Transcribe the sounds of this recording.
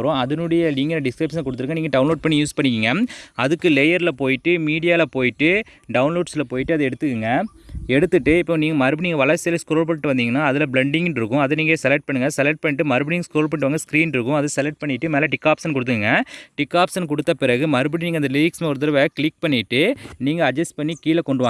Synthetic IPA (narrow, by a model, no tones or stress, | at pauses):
ɾõɐðɐnʊɽɐjɐliŋɡɐnɐɖɪskɾɐɪpʂɐnkːɔɽɯt̪ːɯɾɯŋɡɐniːŋɡɐɖɐʊnloːɖ̚pɐɳːijuːspɐɳːɪkiːŋɡɐɐðɯkːɯlɛjɐɾɪlɐpoːjɪʈːɯmiːɽɪjaːɪlɐpoːjɪʈːɯ | ɖɐʊnloːɖslɐpoːjɪʈːɯɐðɯɛɽɯt̪ːɯkːɯŋɡɐ | ɛɽɯt̪ːɯʈːɯɪpːoːniːŋɡɐmɐɾɯbɪniːŋɡɐʋɐlɐɾsɪjɐlɐskɾoːlpɐɳɪʈːɯʋɐnd̪iːŋɡɐnːaːɐðɪlɐbɭɛɳɖɪŋɡnɾɯkːʊ̃ɐðɐniːŋɡesɛlɛk̚ʈ̚pɐɳːɯŋɡɐsɛlɛʈ̚pɐɳːɪʈːɯmɐɾɯbɪɽɪŋɡskɾoːlp̬ɐɳɪʈɯʋaːŋɡɐskɾiːnɖɾɯkːʊ̃ɐðɐsɛlɛʈ̚pɐɳːɪʈːɯmeːlɐʈɪkːaːpsɐnkʊɽɯt̪ːɯkɯŋɡɐʈɪkːaːpsɐnk̬ɔɽɯt̪ːɐpɪɾɐɣɯmɐɾɯbɪɽiniːŋɡɐnd̪ɐliːksmeɔɾɯt̪̬ːɐɾɐʋɾɐkɪlɪk̚pɐɳːɪʈːɯniːŋɡɐɐd͡ʒɐsʈpɐɳːikiːlɐkɔɳɖɯʋaːɡɐ